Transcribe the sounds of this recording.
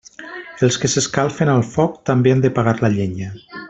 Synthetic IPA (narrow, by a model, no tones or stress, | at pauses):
elˠskeseskalˠfenalˠfɔk̚t̪ambeand̪epaɣaɾlaʎeɲə